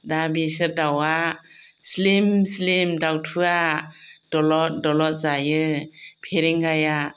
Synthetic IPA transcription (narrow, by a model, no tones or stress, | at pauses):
dabisɯɾdawaslimslimdawtʰuad̥ɔlɔdɔlɔt̚zajɯpʰeɾeŋɡaja